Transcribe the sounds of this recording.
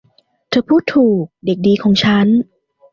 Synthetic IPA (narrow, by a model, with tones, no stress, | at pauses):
t̪ʰɤː˧pʰuː˥˩t̪ʰːuː˨˩k̚de˨˩k̚diː˧kʰɔː˨˩˦ŋt͡ɕʰa˦˥n